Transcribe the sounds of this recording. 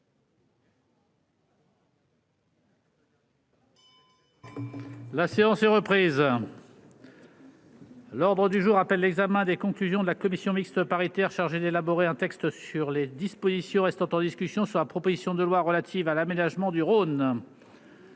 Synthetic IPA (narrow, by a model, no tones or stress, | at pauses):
laseɑ̃sɛʁəpχiːz | lɔʁd̪ʁəd̪yʒuʁapɛlːɛɡzamɛ̃d̪ekɔ̃klyzjɔ̃d̪əlakɔmisjɔ̃mikst̪əpaʁit̪ɛʁʃaʁʒed̪elabɔʁeɛ̃t̪ɛkst̪syʁled̪ispozisjɔ̃ʁɛst̪ɑ̃t̪ɑ̃d̪iskʲysjɔ̃syʁlapχɔpozisjɔ̃d̪əlwaʁəlat̪ʰivalamenaʒmɑ̃d̪yʁon